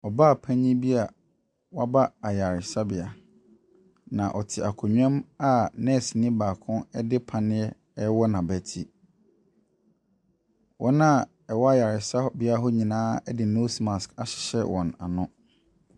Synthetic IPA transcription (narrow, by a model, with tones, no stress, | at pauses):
ɔ˨baː˦˨pʰæ̃˦ɲĩ˦bi˦a˨ | wa˦ba˦a˨ja˨ɾɪ˨sa˦bɪ˨a˨ | nã˨ʔɔ˨tʰɪ˨ʔa˨kʰʊ˨ɲᶣ˦ã˦ma˦nɛ̃˦˨si˨nĩ˦baː˨kʰʊ̃˦nɛ˦dɪ˦pʰã˨nɪ̃˦ɛ˦ | ɛ˦wɔ˦nã˨bæ˨tʰi˦ | wʔɔ̃˦nã˦˨ | ɛ˨wɔ˦a˦ja˨ɾɪ˨sa˦bɪ˨a˦ɦʊ˦ɲĩ˨nãː˦ɛ˦dɪ˨no˦sma˨ska˨ɕɪ̥˨ɕɛ˦wɔ̃˨na̰˨nʊ̃˦